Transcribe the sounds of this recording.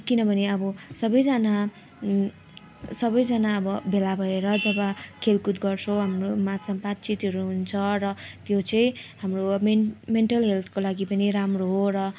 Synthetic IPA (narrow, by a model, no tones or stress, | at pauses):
kinʌbʱʌneʌbʌsʌbʌjd͡zana | sʌbʌjd͡zʌnaʌbʌbʱelabʱʌeɾʌd͡zʌbakʰelkut̪ɡʌrt͡sʰʌɦamromasʌbat̪̚t͡sit̪ɦʌɾuɦunt͡sʰʌrʌt̪jot͡sʌĩɦamromemeɳʈʌlɦelt̪ʰkolaɡipʌniramroɦorʌ